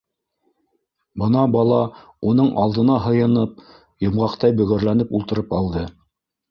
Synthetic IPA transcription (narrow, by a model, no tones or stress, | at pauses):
bɤnɑbɑlˠɑ | unɤɴʔɑlˠd̪ɤ̆nɑɦɤ̆jɤ̆nɤp̚ | jɤ̆mʁɑqt̪ɑjbɵ̆ɣɘ̆ɾlænɘpulˠt̪ɤ̆ɾɤpɑlˠd̪ɤ